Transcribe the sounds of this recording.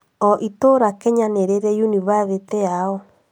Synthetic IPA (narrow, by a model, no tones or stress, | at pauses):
ɔʔitoɾakɛɲaneɾeɾɛjuniβaβetɛaɔ